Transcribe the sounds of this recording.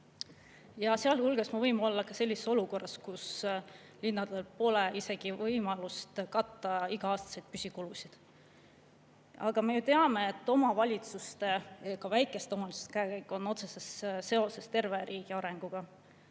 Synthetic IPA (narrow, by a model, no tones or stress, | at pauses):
jɑseɑlhulɡ̥esmɑvɤjmo̞lːɑkɑse̞lʲːiseso̞luko̞rːɑskus | linːɑd̪elpo̞leʔise̞ɡ̥ivɤjmɑlust̪kɑt̪ːɑiɡ̥ɑɑːst̪ɑ̥sejd̪̥̚pysʲikulusid̪̥ | ɑɡ̥ɑme̞jut̪e̞ɑme̞ːt̪ːo̞mɑvɑlʲit̪sust̪e̞kɑvæjkːˑe̞st̪eomɑlisu̥st̪kæekæjkːˑo̞nːo̞t̪se̞sesse̞o̞se̞st̪e̞rve̞ɾʔiːɡ̥iɑɾe̞ŋɡ̥uɡ̥ɑ